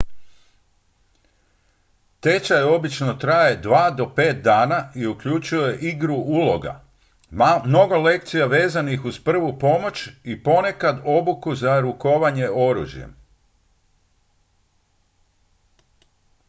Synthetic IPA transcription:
t̪e̞t͡ʃajo̞bit͡ʃno̞t̪ɾaje̞d̪ʋaːd̪o̞pe̞ːt̪̚d̪aːnaiukʎut͡ʃujje̞ʔiɡɾuʔulo̞ɡa̰ | mno̞ɡo̞le̞k̚t̪sijaʋe̞ːzanixuz̥pr̩ʋupo̞mo̞t͡ʃipo̞ne̞kad̪o̞bukuzaɾuko̞ʋaɲe̞o̞ɾṵːʒjḛm

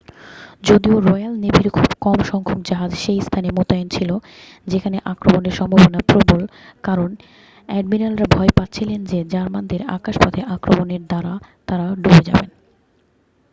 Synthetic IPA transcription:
d͡ʑod̪ioɾɔjalnebʱiɾkʰubkɔmʃɔŋkʰomd͡ʑaɦad͡ʑʃejst̪ʰanemot̪ajont͡ɕʰilo | d͡ʑekʰaneʔakɾomoneɾʃɔmbʱabonapɾobolkaɾon | ɛɖ̚minalɾabʱɔepat̪ːɕʰilend͡ʑed͡ʑaɾmand̪eɾa̰kaʃpɔt̪ʰeʔakɾomoneɾd̪aɾat̪aɾaɖubed͡ʑa̰ben

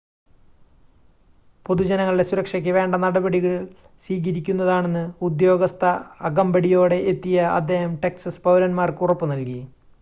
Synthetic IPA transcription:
po̞ðud͡ʑɐnɐŋːɐɭiɖesuɾɐkʂɐkʲːɨʋe̞ːɳɖɐnɐɽɐbɐɽiɣɐɭ | siːɣɐɾikʲːunːɐðaːɳe̞nːɨud̪jo̞ːɡɐst̪ʰɐɐɡɐmbɐɽijo̞ːɽe̞ʔːt̪ːijɐɐ̰d̪ːe̞ːhɐmʈeksɐspɐwlɐnmaːrkurɐpːɨnɐlki

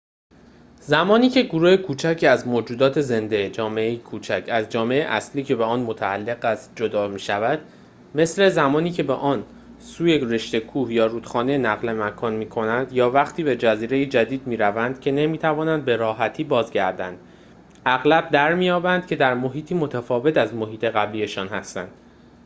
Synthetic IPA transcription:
zæmɒːniːcʰe̞ɡoɾuːhe̞kʰuːt͡ʃʰæcʰiæzmoːd͡ʒuːd̪ɒːt̪ʰe̞ze̞nd̪e̞d͡ʒɒːmeejekʰuːt͡ʃʰæcʰæzd͡ʒɒːmeeʔæsliːcʰe̞beɒːnmot̪ʰæælːe̞ɣæst̪̚d͡ʒod̪ɒːmiːʃævæd̪̥̚ | me̞sle̞zæmɒːniːcʰe̞beʔɒːn | suːjere̞ʃt̪e̞kʰuːhjɒːɾuːd̪xɒːnenæɣle̞mækʰɒːnmiːkʰo̞nænd̪jɒːvæχt̪ʰiːbe̞d͡ʒæziːɾe̞jed͡ʒæd̪iːd̪̚miːɾævænd̪̥cʰe̞ne̞miːt̪ʰævɒːnænd̪̚be̞ɾɒːɦæt̪ʰiːbɒːzɟæɾd̪ænd̪̥ | ʔæɣlæb̚d̪æɾmijɒːbænd̪̚cʰe̞d̪æɾmo̞ɦiːt̪ʰiːmo̞t̪ʰæfɒːve̞t̪æzmo̞ɦiːt̪ʰe̞ɣæblije̞ʃɒːnhæst̪æ̰nd̪̥

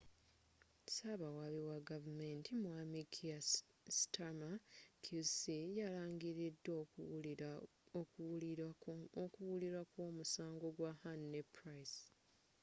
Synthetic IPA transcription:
saβawaβiwaɡavumentʰimwamikʰia | stamakʰusijalaːŋɡiɾidːo | okuwuliɾwakwoːmusaːŋɡo̞ɡwahanːepɾajs

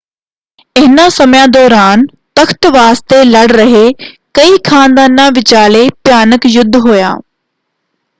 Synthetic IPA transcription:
ɪɦɪnasɐmjãd̪ɔːɾaːn | t̪ɐxt̪ʋaːst̪elɐɽɾɐɦe | kɐikʰãːnd̪aːnːãːʋɪt͡ɕaːlepjaːnəkjʊd̪ʱːɦoːja̰ː

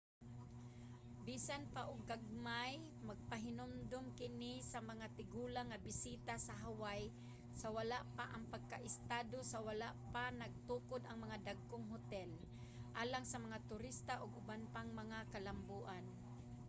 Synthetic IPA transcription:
biːsanpaʔʊɡ̚ːaɡ̚maj | maɡ̚paɦɪnʊmd̪ʊmkɪnisamɐŋat̪ɪɡuːlaŋːabɪsiːt̪asaɦawaj | sawalaʔpaʔaŋpaɡ̚kaʔɪst̪aːd̪osawalaʔpanaɡ̚t̪uːkʊd̪ɐŋmɐŋad̪aɡ̚koŋɦʊt̪ɛl | ʔaːlaŋsɐmɐŋat̪ʊɾɪst̪aʔʊɡʊbanpaŋmɐŋakalambuːʔan

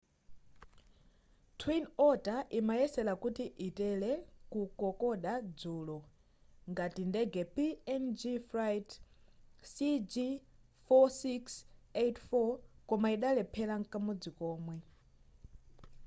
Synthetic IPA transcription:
tʰwinɔtaʔimajɛsɛlakutiʔitɛlɛkukɔkɔɗad͡zuːlɔ | ŋɡatindɛɡɛpiɛnd͡ʒifɾajt | sid͡ʒi | fɔsiksetʰfɔkɔmaiɗalɛpʰɛlaŋkamɔd͡zikɔːmwɛ

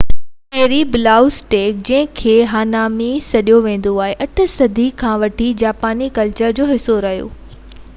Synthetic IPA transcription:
keːɾibɪlaːʊsʈeːk̚d͡ʑɐ̃ɦɪ̃kʰeːɦaːnaːmisɐɗijoʋẽːn̆d̪oaːɦeʔɐʈ̆ʰsɐd̪ʱikʰãːʋɐʈʰid͡ʑaːpaːnikɐlt͡ɕəɾd͡ʑoːɦɪsoɾɐɦijo̰ː

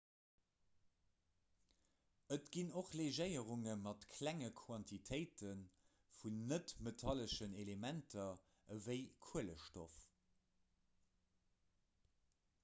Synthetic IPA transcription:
ətɡ̥inoχleʒəɪəʁuŋəmɑtkʰlæŋəkʰwɑntʰitʰɜɪtʰən | funːətmetʰɑləʃənelemæntʰɐ | vəɪkʰuələʃtof

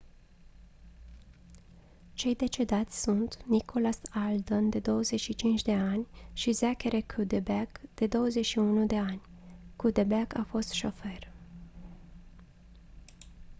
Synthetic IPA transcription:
t͡ʃe̞jd̪e̞t͡ʃe̞d̪at̪sʲsunt̪nikʰo̞lasald̪ənd̪e̞d̪o̞wəze̞t͡ʃʃit͡ʃint͡ʃd̪e̞anʲʃizakeɾekʰud̪ebekd̪̥e̞d̪o̞wəze̞ʃiunud̪e̞anʲkːud̪ebekafo̞st̪ʃofer

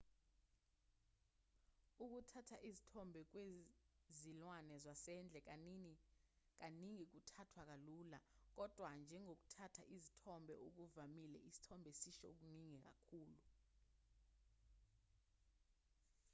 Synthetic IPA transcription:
uk̬utʰatʰaʔizitʰɔmbʱɛk̬wezilwanɛzwasɛnd͡ɮʱɛk | k̬aniŋik̬utʰatʰwak̬alulak̬ɔd̥ʱwand͡ʒʱɛŋok̬u̥tʰatʰa̰ʔizitʰɔmbʱɛʔok̬uvamilɛ̰ʔisi̥tʰɔmbʱɛsiʃɔok̬uniŋɛk̬a̰kʰuːlu

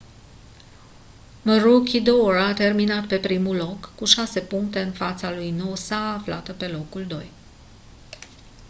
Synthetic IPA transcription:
məɾukʲid̪orat̪e̞rminat̪̚pe̞pɾimulo̞kːuʃase̞puŋkt̪e̞ɨnfat̪salujnowsaaflat̪əpe̞lo̞kuld̪o̞̰j

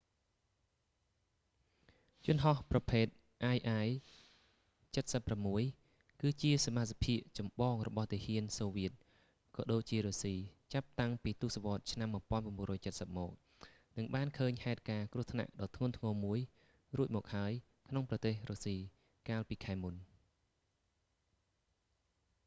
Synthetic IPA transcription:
jŭənɦɑhprɑpʰeːt̪̚ | ʔaːjʔaːj | t͡ɕət̪̚səpːramːuəj | kɨːt͡ɕiəsamat̪̚sapʰiəʔt͡ɕɑmɓɑːŋrɔɓɑht̪iːəhiənsoːʋiət̪̚ | kɑːɗoːc̚t͡ɕiəɾoːsiːt͡ɕap̚t̪aŋpiːt̪uːsaʋŏət̪̚t͡ɕʰnamːŭəpŏənpaəmɓŭərɔːjt͡ɕət̪̚səp̚mɔːk̚ | nɨŋɓaːnkʰəːɲhaɛt̪̚kaːkrŭəht̪ʰna̰ʔɗɑːt̪ʰŋʊənt̪ʰŋɔːmuəj | ruəc̚mɔːk̚haəj | kʰnoŋprɑt̪eːhroːsiː | kaːlpiːkʰaɛmun

